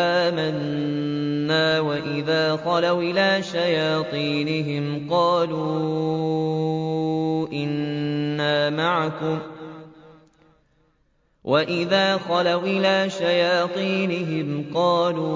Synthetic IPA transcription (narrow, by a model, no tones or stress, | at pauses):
aːmanː | aːwaʔɪðaːxɑlawʔɪlaːʃajaːt̪ˤiːnɪɦɪmqɑːluː | ʔɪnːaːmaʕakʊm | wʔaʔɪðaːxɑlawʔɪlaːʃajaːt̪ˤiːnɪɦɪmqɑːluː